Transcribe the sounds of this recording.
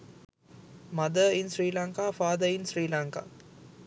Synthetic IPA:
mɐd̪əinsɾiːlaːŋkaːfaːd̪əinsɾiːlaŋka̰ː

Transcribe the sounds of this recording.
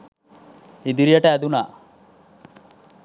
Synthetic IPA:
id̪iɾijɐʈaːd̪unaː

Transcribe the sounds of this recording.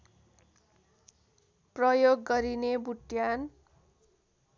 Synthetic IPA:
prʌjoɡːʌɾinebuʈjan

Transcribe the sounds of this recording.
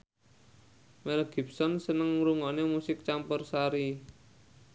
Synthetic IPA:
mɛlɡ̥i̤p̚sɔnsənəŋɾuŋɔnemusɪk̚t͡ʃampərsaɾi

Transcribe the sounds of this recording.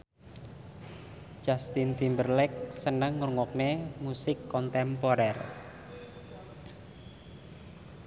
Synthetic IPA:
d͡ʒ̥ast̪int̪imbərlɛk̚sənəŋːurŋwɔk̚nemusɪkːɔnt̪ɛmpoɾɛr

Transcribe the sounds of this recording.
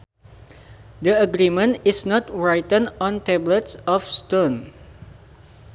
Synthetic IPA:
dəəɡɾimə̃nisnɔtɹajtə̃nɔ̃ntɛblətsɔfstõn

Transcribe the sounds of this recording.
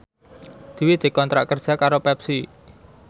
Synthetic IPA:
d̪̥i̤wid̪̥e̤kɔnt̪ɾa̰ʔkərd̥ʒ̥a̤kaɾopɛpsi

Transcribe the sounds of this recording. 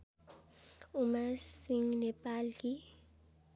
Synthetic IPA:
umasiŋnɛpʼaːli

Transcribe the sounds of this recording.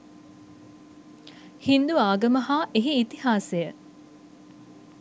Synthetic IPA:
hind̪uaːɡəməɦaːʔeɦiːt̪ihaːsejə

